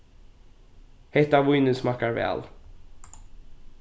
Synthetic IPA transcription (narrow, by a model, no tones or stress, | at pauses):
hɛt̪avʊɪnəsmakːaɾvɛ̰ːl